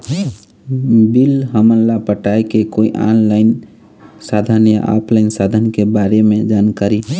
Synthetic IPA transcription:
bilɦəmənlapəʈajkekoiʔa̰ːnlaɪn | sad̪ʱənja̰ʔɔ̰pʰlaɪnsad̪ʱənkebaɾemẽd͡ʒaːnkaɾi

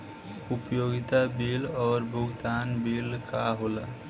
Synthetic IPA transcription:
upəjoɡit̪abilɔːɾbʱuɡd̪anbilkaɦola

